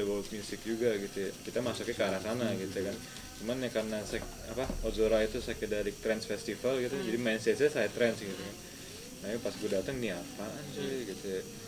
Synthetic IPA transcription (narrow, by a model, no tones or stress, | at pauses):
abawamjusɪk̚d͡ʒuɡaɡit̪ujakit̪amasɔkɛkəaɾahsanaɡit̪ukan | t͡ʃumanjakarnasa | apaozoɾait̪usakədaɾɪk̚t̪ɾɛnsfɛst̪ifalɡit̪ud͡ʒadimainsɛsasajat̪ɾɛnsɡit̪ukan | najapasɡudat̪əŋniapaaɲd͡ʒɛɡit̪ua